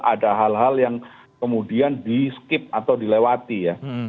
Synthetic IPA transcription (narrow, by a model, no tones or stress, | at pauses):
ʔadaɦalɦaljaŋ | kəmudiandiskɪp̚at̪awdilewat̪ija